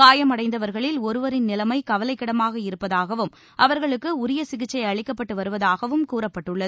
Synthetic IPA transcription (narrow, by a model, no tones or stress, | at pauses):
kaːjɐmɐɽɐɪnd̪ɐʋɐɾɣɐɭɪlɔɾɯʋɐɾɪnnɪlɐmɐɪkɐʋɐlɐɪkːɪɽɐmaːɣɐɪɾɯpːɐðaːɣɐʋɯm | ʔɐʋɐɾɣɐɭɯkːɯʊɾɪjɐsɪɣɪt͡ʃːɐɪɐɭɪkːɐpːɐʈːɯʋɐɾɯʋɐðaːɣɐʋɯmkuːɾɐpːɐʈːɯɭːɐðɯ